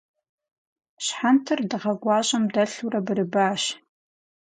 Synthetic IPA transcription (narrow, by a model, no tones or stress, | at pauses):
ɕħantʰɨrdɨʁɐɡʷaːɕʼɐmdɐɬurɐbɨrɨbaːʃ